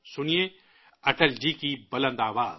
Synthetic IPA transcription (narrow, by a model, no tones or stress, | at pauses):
sʊnijẽ | ɐʈəld͡ʒiːkibɐlə̃nd̪aːʋaːz